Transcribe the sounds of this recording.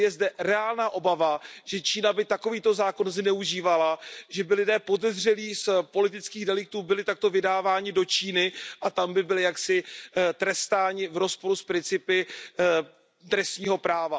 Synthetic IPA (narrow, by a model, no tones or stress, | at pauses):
jɛzdɛɾɛaːlnaːʔo̞bavaʒ̥ɛt͡ʃiːnabɪt̪ako̞viːt̪o̞zaːko̞nznɛuʒiːvalaʒɛbɪlɪdɛːpo̞dɛzr̝ɛliːspo̞lɪt̪ɪt͡skiːɣdɛlɪk̚t̪uːbɪlɪt̪ak̚t̪o̞vɪdaːvaːɲɪdo̞t͡ʃiːnɪʔat̪ambɪbɪlɪjaksɪt̪ɾɛst̪aːɲɪvɾo̞spo̞ɾuspɾɪnt͡sɪpɪ | d̪ɾɛst̪ɲiːɦo̞pɾaːva